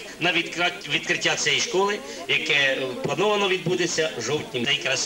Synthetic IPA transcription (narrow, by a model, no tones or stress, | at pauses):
nɐʋʲikɾɑtʲʋʲid̪kɾɪtʲːat͡sʲɛjiʃkɔlˠɪ | jɐkɛplˠɐnɔʋɐnɔʋʲid̪̚bud̪et͡sʲːɐʒɔwtʲnʲɪmd̪ɛjkɾɐs